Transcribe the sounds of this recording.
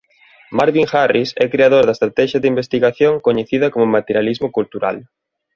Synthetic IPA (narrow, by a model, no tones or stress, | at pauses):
maɾβiŋxarisɛkɾeaðoɾðɐest̪ɾat̪ɛʃɐðimbest̪iɣaθjoŋkoɲeθiðɐkomʊmat̪eɾjalizmokult̪uɾa̰l